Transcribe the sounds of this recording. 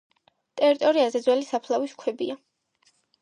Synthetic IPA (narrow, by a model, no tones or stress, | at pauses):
t̪ʼɛɾit̪ʼɔɾiazɛd̪zwɛlisapʰlˠaviskʰwɛbia